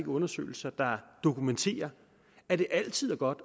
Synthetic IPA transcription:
ɡ̥əɔ̽nɐsø̰ːɪl̩sɐd̥ɑ̈d̥o̝kʰument͡sʰe̝̰ːɐ | æɾ̥e̝ʔæl̰t͡sʰið̰ˠæɐɡ̥ɒ̽d̥

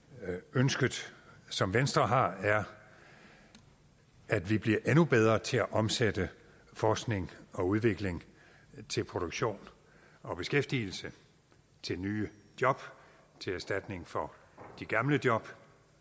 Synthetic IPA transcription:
ønsɡ̥əð̩ˠsɒ̽mʋensd̥ʁɐɦɑ̈æɐ | ʔæd̥ʋib̥liɐʔenub̥eð̞ˠʁɐt͡sʰe̝æʔɒ̽msed̥ə | fɒːsɡ̥ne̝ŋɒ̽uð̞ˠʋe̝ɡ̥le̝ŋ | t͡sʰe̝lpʰʁo̝ɾ̥oɡ̥ɕo̝̰ːn | ɒ̽b̥e̝sɡ̥efd̥iːl̩sə | t͡sʰe̝lnyːd̥jɒ̽b̥ | t͡sʰe̝læɐsd̥æd̥ne̝ŋfɒ̽ | d̥iɡ̥ɑ̈mləd̥jɒ̽b̥

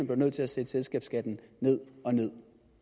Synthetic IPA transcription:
nb̥leʊøð̰ˠt͡sʰe̝læsed̥selsɡ̥ɛːb̥sɡ̥æd̥n̩ne̝ð̰ˠɒ̽ne̝ð̰ˠ

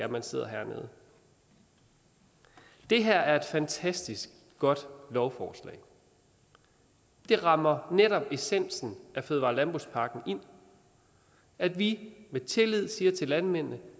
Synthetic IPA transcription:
æɐmænse̝ð̞̰ˠɐɦæ̰ɐ̰nḛːðˠ | d̥e̝ɦæɐ̰æɐe̝d̥fænt͡sʰæsd̥isɡ̥̚ | ɡ̥ɒ̽d̥lɒʊfɒːslɛ̰ːɪ | d̥e̝ʁɑ̈mɐneɾɒ̽b̥e̝sen̰sn̩æføðˠʋɑ̈lænb̥o̝spʰɑ̈ːɡ̥n̩ʔe̝n̰ | æd̥ʋimet͡sʰe̝lið̞̰ˠsiːɐt͡sʰe̝lænmen̰nə

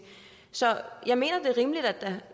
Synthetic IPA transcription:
sɒ̽jɑ̈ɪme̝̰ːnɐd̥e̝ʁiːmlid̥æd̥ːæ

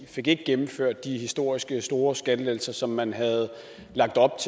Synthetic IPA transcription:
fe̝ɡ̥e̝ɡ̥əɡ̥emm̩føɐ̰d̥ːihisd̥o̝ɐ̰isɡ̥əsd̥o̝ːɐsɡ̥ædəlel̩sɐsɒ̽mːænɦæð̩ˠ | lɑ̈ɡ̥̚d̥ɒ̽b̥̚t͡sʰ

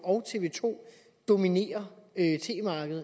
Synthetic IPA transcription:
ɒ̽ʊt͡sʰe̝ʋe̝̰ːt͡sʰo̝̰ː | d̥o̝mine̝̰ːɐøt͡sʰe̝̰ːmɑ̈ːɡ̥əð̩ˠ

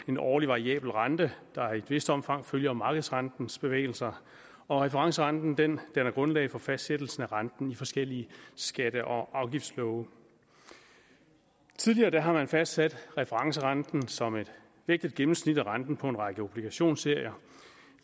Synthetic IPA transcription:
e̝nɒ̰ːliʋɑ̈ʁiɛ̰ːb̥l̩ʁɑnd̥əd̥ɑ̈id̥eʋe̝sd̥əɒ̽mfɑ̈ŋ̰føljɐmɑ̈ːɡ̥əð̞̩ˠsʁɑnd̥n̩sb̥e̝ʋḛːɪl̩sɐ | ɒ̽ʁɛfəʁɑ̈ŋsəʁɑ̈nd̥n̩d̥end̥enæɐɡ̥ʁɔ̽nlɛ̰ːɪfɒ̽fæsd̥sed̥l̩sn̩æʁɑnd̥n̩ifɒ̽sɡ̥el̰iəsɡ̥æd̥əʔɒ̽ʔɑ̈ʊɡ̥ifd̥slɔʊə | t͡sʰiðˠliɐːd̥æɦɑ̈mænfæsd̥sæd̥ʁɛfəʁɑ̈ŋsəʁɑnd̥n̩sɒ̽me̝d̥ | ʋe̝ɡ̥̚d̥ið̥ˠɡ̥emm̩snid̥æʁɑ̈nd̥n̩pʰɒ̽e̝nʁɑ̈ɡ̥əob̥liɡ̥æɕo̝̰ːnse̝ɐ̰jɐ

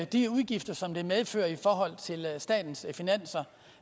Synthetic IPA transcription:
d̥iuðˠɡ̥ifd̥ɐsɒ̽md̥e̝meðˠfø̰ːɐifɒːɦɒ̽l̰t͡sʰe̝lsd̥ɛ̰ːd̥n̩sfinæn̰sɐ

